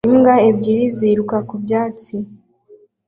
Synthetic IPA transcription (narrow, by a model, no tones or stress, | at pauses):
imɡaebɟiɾiziɾukakubjaːt͡si